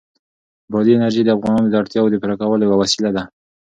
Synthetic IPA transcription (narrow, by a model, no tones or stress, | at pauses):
bɑd̪iɪnaɾʒed̪əafɣɑnɑnod̪əaɽt̪jɑwod̪əpɪɾakawəljwawasilad̪a